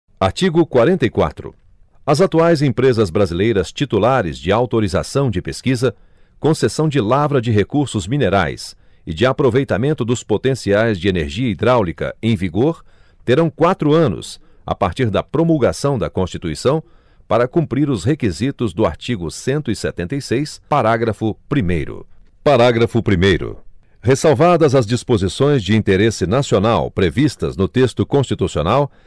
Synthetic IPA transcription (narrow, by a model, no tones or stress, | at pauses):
aɾt͡ʃiɡʊkwaɾẽnt̪ɐjkwa̰t̪ɾʊ̰ | ɐzat̪uajzẽpɾezɐzbɾazilejɾɐst͡ʃit̪ulaɾɪ̰zd͡ʒɪawt̪oɾiza̰sɐ̃w̃d͡ʒɪpeskizɐ | kõsesɐ̃w̃d͡ʒɪlavɾɐd͡ʒɪɦekuɾsʊzmineɾa̰js | ɪd͡ʒɪapɾovejt̪amẽnt̪ʊd̪ʊspot̪ẽsiajzd͡ʒɪeneɾʒiɐid̪ɾawlikɐ̰ẽj̃viɡoɾ | t̪eɾɐ̃w̃kwat̪ɾʊɐ̃nʊ̰s | a̰paɾt͡ʃiɾd̪ɐpɾomulɡasɐ̃w̃d̪ɐkõst͡ʃit̪uisɐ̃w̃ | paɾɐkũmpɾiɾʊshekizit̪ʊzd̪ʊa̰ɾt͡ʃiɡʊsẽnt̪ʊɪsɛt̪ẽnt̪ejsejspaɾaɡɾɐfʊpɾimejɾʊ̰ | paɾaɡɾɐfʊpɾimejɾʊ̰ | hesawvad̪ɐzɐzd͡ʒispozisõj̃zd͡ʒɪĩnt̪eɾesɪnasionawpɾevist̪ɐ̰znʊt̪est̪ʊkõst͡ʃit̪usio̰naw